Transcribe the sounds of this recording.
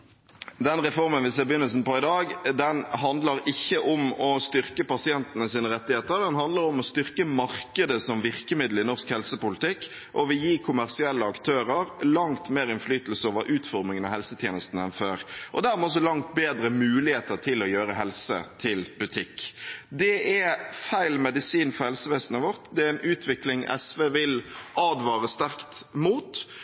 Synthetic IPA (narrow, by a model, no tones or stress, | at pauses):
d̪ɛnʁɛfɔʁmənʋɪseːbjʏnːəlsn̩pɔɪd̪ɑːɡd̪ɛnɦɑnd̪ləɾɪçːəʔɔmɔst̪ʏʁkəpɑsɪɛnt̪nəsiːnəɾɛt̪ːɪheːt̪əɾd̪ɛnɦɑnd̪ləɾɔmɔst̪ʏʁkəmɑʁkəd̪əsɔmʋɪʁkəmɪd̪l̩ɪnɔʁskhɛlsəpʊlɪt̪ɪkː | ʔɔʋɪjiːkʰʊmæʁsɪɛlːəɑkt̪ʰøːɾəɾlɑŋt̪meːɾɪnflyːt̪lsəoːʋəɾʔʉːt̪fɔɾmɪŋənɑhɛlsət̪ʰjeːnəst̪n̩əɛnføːɾʔɔ̰d̪æːɾmɛɔs̬ɔlɑŋt̪̚beːd̪ɾəmʉːlɪheːt̪əʁt̪ʰɪlɔjøːɾəɦɛlsə̰t̪ʰɪlbʉt̪ʰɪkːd̪ɛʔæfæɪlmɛd̪ɪsiːnfɔɾhɛlsəʋeːsənəʋɔɾt̪d̪ɛæɪnʉːt̪ʰʋɪklɪŋʔɛ̰sʋeːʋɪlʔɑːd̪ʋɑːɾəst̪æʁkt̪muːt̪